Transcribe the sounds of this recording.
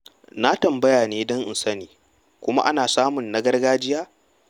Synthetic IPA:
na˦tɐ˨mbɐ˦jaː˨neː˦dɔ˦ŋʔɪ˨nsɐ˦niː˨ | kʷʊ˦ma̰˦ʔa̰˦naː˨saː˦mʊ˨nːɐ˦ɡɐ˦rɡaː˦d͡ʒɪ˦jaː˦

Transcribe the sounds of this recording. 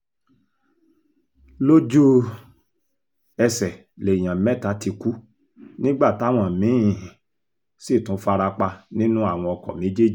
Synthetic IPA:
lo˦d͡ʒu˦ | ɛ˧sɛ˨ | le˨i˨j̃ã˨mɛ˦˨ta˨˦ti˧ku˦ | nĩ˦ɡ͡ba˦˨ta˦˨w̃ɔ̃˧˨mĩ˨˦ĩ˨ | si˦˨tũ˨˦fa˧ɾa˧k͡pa˧nĩ˦nũ˦a˦˨w̃ɔ̃˧ɔ˧kɔ̰˨mĩ˨˦d͡ʒe˦d͡ʒi˦˨

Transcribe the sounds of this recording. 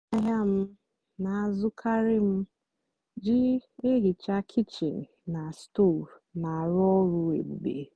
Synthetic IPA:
a˦ɦa˦m̩˦ | na˨a˦˨zʊ˦kʰa˦ɾɪ˦m̩˦ | d͡ʒɪ˦e˦ɦi˨t͡ʃa˦kʰi˦t͡ʃḭ˨ŋ̩˨na˨sto˦˨ɾna˨a˨ɾɔ˦ɾu˦ḛ˨ɡ͡bu˨ɡ͡bḛ˨

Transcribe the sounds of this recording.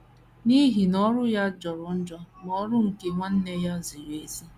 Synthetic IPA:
ni˦ɦi˨nɔ˦ɾʊ˦ja˦d͡ʒɔ˨ɾʊ˨n̩˦d͡ʒɔ˦m˨ɔ˦ɾʊ˦ŋ̩˨ke˨ŋʷa˦n̩˦ne˦ja˦zi˨je˦si˦

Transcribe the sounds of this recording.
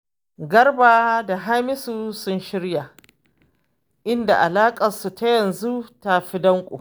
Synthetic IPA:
ɡɐ˦rbaː˨da˨ɦa˦mɪ˦su˦sʊ˦nʃɪ˦ɽja˨ | ʔɪ˦nda̰˨ʔa˨laː˦kʼɐ˨su˨ta˦jɐ˨nzu˦ta˨ɸi˦dɐ˦ŋkʷʼo̰˨

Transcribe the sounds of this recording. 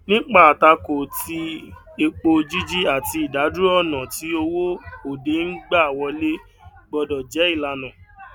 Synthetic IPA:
nĩ˦k͡pa˦˨a˨ta˧ko˨ti˧˦ | e˧k͡po˧d͡ʒi˦d͡ʒi˦a˦˨ti˧i˨da˨˦du˦ɔ˦˨nã˨ti˨˦o˧wo˦o˨de˨˦n̩˦ɡ͡ba˦˨wɔ˧le˦ | ɡ͡bɔ˧dɔ˨d͡ʒɛ˨˦i˦˨la˧nã˨

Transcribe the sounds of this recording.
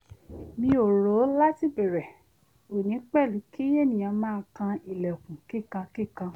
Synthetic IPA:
mĩ˧˦o˨ɾo˨˦la˦ti˦˨be˨ɾɛ˨ | o˨nĩ˨˦k͡pɛ˦˨li˨˦ki˦je˦˨nĩ˨ã˨˧˦mãː˦˧kã˧i˨lɛ˨o˨kũ˨ki˦˨kã˧ki˦˨kã˧

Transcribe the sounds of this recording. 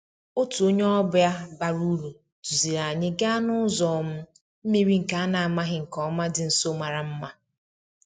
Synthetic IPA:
o˦tu˨o˦ɲe˦ɔ˦bʊ˨ja˦ba˨ɾu˦ɾu˨ | tu˨zi˨ɾa˨ɲɪ˦ɡa˦nʊ˦zɔː˨m̩˦ | m̩˦me˦ɾi˦ŋ̩˨ka˨a˦na˨a˨ma˦ɦɪ˨ŋ̩˨kɔ˦ma˦dɪ˨n̩˨so˦ma˨ɾa˨m̩˦ma˦

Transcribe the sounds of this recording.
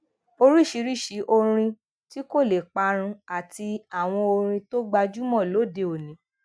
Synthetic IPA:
o˧ɾi˦˨ʃi˨˧˦ɾi˦˨ʃi˨˦ʔo˧ɾ̃ĩ˧ | ti˦ko˦˨le˨k͡pa˧ɾ̃ũ˧a˨ti˧a˨w̃ɔ̃˧o˧ɾ̃ĩ˧to˦ɡ͡ba˧d͡ʒu˦mɔ̃˦˨lo˨˦˨de˧o˨nĩ˨˦

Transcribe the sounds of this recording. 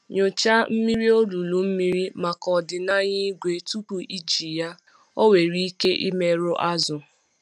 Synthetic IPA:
ɲo˨t͡ʃa˦m̩˦mi˦ɾi˦o˦lu˨lu˨m̩˦mi˦ɾi˦ma˨kɔ˨dɪ˨na˦ɲɪ˦ɡʷe˨tu˦pu˨ʔi˦d͡ʒi˨ja˦ | o˦we˨ɾi˦ke˦ʔḭ˦me˦ɾʊ˦ʔa˦zʊ˨

